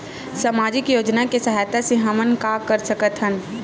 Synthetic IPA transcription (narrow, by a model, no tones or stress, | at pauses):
saːmaːd͡ʒɪkjoːd͡ʒnakesɐɦajt̪asẽɦɐmənkakəɾsəkət̪ɦən